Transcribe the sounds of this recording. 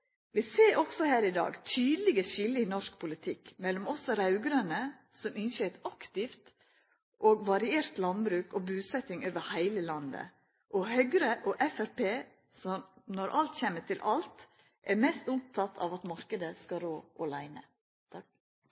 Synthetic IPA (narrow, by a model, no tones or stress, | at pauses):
ʋɪseːʔɔɡsɔhæːɾɪd̪ɑ̰ːɡt̪ʰyːd̪lɪɡəʃɪlːəɪnɔʂk̚pʰʊlɪt̪ʰɪkmɛlɔmɔsɔɾɑʉɡɾønə | sɔmɪnʃɛt̪ɑkt̪ɪft̪ | ʔoːɡʋɑɾɪeːɾt̪lɑnbɾʉːkobʉːsɛt̪ɪŋoːʋəɾhæɪləlɑnd̪ə̰ | ʔɔhœɡɾəʔoːʔɛfæɾpeː | sɔmnɔɾʔɑlt̪çɛːmətʰɪlʔɑlt̪ | ʔæɾmɛst̪ʊm̚t̪ʰɑt̪ʰɑ̰ːʋɑt̪mɑɾkəd̪əskɑɾoːʔoːlæɪnə̰